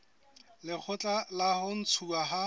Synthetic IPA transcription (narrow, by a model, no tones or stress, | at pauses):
lɪk͡xʰʊt͡ɬʼalahʊn̩t͡sʰuaɦa